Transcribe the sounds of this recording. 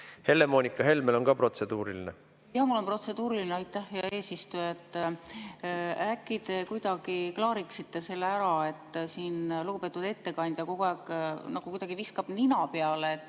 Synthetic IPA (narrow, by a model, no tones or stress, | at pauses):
he̞le̞monʲikːˑɑɦe̞lmelo̞nkɑpro̞t̪se̞d̪uːɾilinḛ | jɑmulːo̞npro̞t̪se̞d̪̥uːɾilineɑjt̪ːæhjɑe̞ːsist̪ujet̪ːˑ | ækːˑid̪e̞kujd̪̥ɑɡ̥iklɑːɾiksit̪ːe̞se̞lːeæɾɑe̞t̪ːˑsiːnluɡ̥upe̞ːt̪ːud̪̥e̞t̪ːe̞kɑnʲd̪̥jɑko̞ɡ̥uæːɡnɑɡ̥ukujd̪ɑɡ̥iviskɑb̥ninɑpeɑleːt̪ːˑ